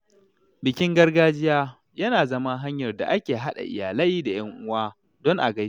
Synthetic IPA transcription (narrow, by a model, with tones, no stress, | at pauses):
bɪ˨kʲɪ˦ŋɡɐ˦rɡaː˦d͡ʒɪ˦jaː˦ | jɐ˦naː˨zɐ˦ma˦ɦa˦ɲjɐ˨rda̰˨ʔa˦kʲeː˨ɦa˦ɗa̰˨ʔɪ̰˨jaː˨lɐ˦jda˨j̰ɐ˦ŋʔʊ˦waː˦ | dɔ˦ŋʔa̰˨ɡɐ˦